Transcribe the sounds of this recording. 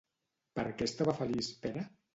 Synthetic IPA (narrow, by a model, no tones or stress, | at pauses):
pəɾkɛst̪aβafəlispɛɾə